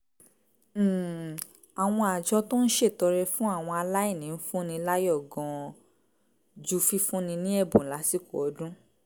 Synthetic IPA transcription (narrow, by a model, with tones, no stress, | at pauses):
a˨w̃ɔ̃˧a˨d͡ʒɔ˧to˦n̩˦ʃe˦˨tɔ˧ɾɛ˧fũ˦a˦˨w̃ɔ̃˧a˧la˦i˦˨nĩ˨˦n̩˦fũ˦nĩ˧la˦jɔ˦˨ɡɔ̃˧ | d͡ʒu˦fi˦fũ˦nĩ˧nĩ˦ɛ˦˨bũ˨n̩˨la˨˦si˦˨ko˨ɔ˨˦dũ˦